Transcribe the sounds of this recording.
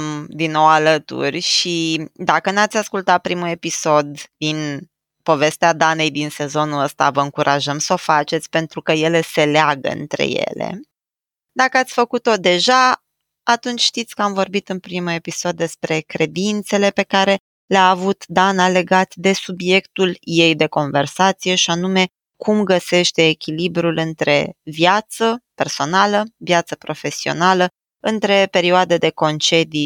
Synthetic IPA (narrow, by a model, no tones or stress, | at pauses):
md̪inːo̞walət̪ṵrʲʃid̪akənat̪sʲaskult̪at̪̚pɾimue̞piso̞d̪d̪in | po̞ve̞st̪ead̪ane̞jd̪inse̞zo̞nuəst̪a̰vəɨŋkuɾʔaʒəmsəo̞fat͡ʃe̞t̪sʲpe̞nt̪ɾukəje̞le̞se̞leaɡə̰ɨ̰nt̪ɾe̞̰je̞̰le̞̰ | d̪akəat̪sʲfəkut̪o̞d̪e̞ʒa | at̪unt͡ʃʲʃt̪it̪sʲkəamvo̞rbit̪ɨnpɾimue̞pisod̪ːe̞spɾe̞kɾe̞d̪int̪se̞le̞pe̞kaɾe̞ | leaːvut̪d̪anale̞ɡat̪d̪e̞subje̞kt̪ulje̞jd̪e̞ko̞nve̞rsat̪sije̞ʃianume̞ | kʰumɡəse̞ʃt̪e̞ːkʲilibɾulɨnt̪ɾe̞̰vjat̪səpe̞rso̞naləvjat̪səpɾo̞fe̞sio̞̰nalə | ɨnt̪ɾe̞pe̞ɾioad̪ed̪e̞ko̞nt͡ʃe̞d̪i